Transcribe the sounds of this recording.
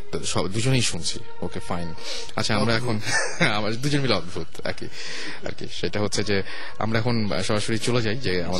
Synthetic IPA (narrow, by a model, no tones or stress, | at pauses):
ʃɔd̪ud͡ʑonejʃunt͡ɕʰḭ | okefajn | atːt͡ɕʰaamɾaɛkʰon | amad̪ud͡ʑonbileɔd̪bʱut̪ɛ̰kḭ | a̰ɾkḭʃejʈaɦotːɕʰed͡ʑe | a̰mɾaɛkʰon̰ | ʃɔɾaʃoɾit͡ɕoled͡ʑajd͡ʑeama